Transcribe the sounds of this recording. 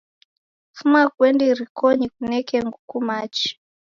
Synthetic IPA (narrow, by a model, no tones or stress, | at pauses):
fumakwɛndiɾikoɲikunɛkɛŋɡukumat͡ʃi̥